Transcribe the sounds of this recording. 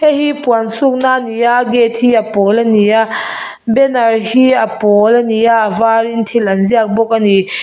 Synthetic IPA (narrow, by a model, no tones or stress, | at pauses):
hehipuansuk̚nanijaɡet̚hiapɔlania | bɛnarhiapɔlanijaʔvaɾintʰilanziak̚bɔk̚ani